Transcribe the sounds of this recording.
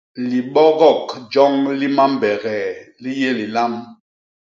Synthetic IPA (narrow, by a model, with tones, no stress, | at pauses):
li˨ɓɔ˦ɣɔ˦˨kd͡ʒɔ˦ŋli˦ma˦m˨bɛ˨ɣɛ˨li˦je˦li˨la˦m